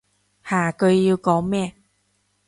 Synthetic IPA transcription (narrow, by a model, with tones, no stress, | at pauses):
haː˨˦kɤ˧ju˧kɔ˧˦mɛ˧˨